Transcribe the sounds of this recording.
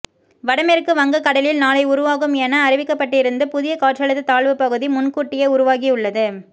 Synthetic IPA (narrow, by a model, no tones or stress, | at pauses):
ʋɐɽɐmɛɾɯkːɯʋɐŋɡɐkːɐɽɐlɪlnaːlɐɪʊɾʊʋaːɣɯmɛːnɐːɾɪʋɪkːɐpːɐʈːɪɾɯnd̪ɯpʊðɪjɐkaːʈt͡ʃɐɭɐðːɯt̪aːɭʋɯpɐɣɯðimʊnkuːʈːɪjɐʊɾʊʋaːɣiʊɭːɐðɯ